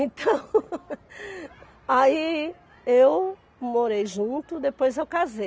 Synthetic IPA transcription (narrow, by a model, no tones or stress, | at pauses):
ẽt̪ʰɐ̃w̃ | ai | ew | moɾejʒũt̪ʊd̪epojzewkaze